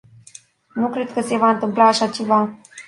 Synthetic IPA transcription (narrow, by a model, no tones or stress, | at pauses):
nukɾe̞d̪kəse̞vaɨnt̪ɨmplaːʃat͡ʃe̞va